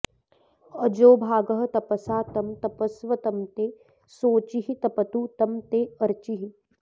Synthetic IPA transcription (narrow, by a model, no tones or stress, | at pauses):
ɐd͡ʒoːbʱaːɡɐɦɐ̆t̪ɐpɐsaːt̪ɐmt̪ɐpɐsʋɐt̪ɐmt̪eː | soːt͡ʃiɦit̪ɐpɐt̪ut̪ɐmt̪eːɐɾt͡ʃiɦi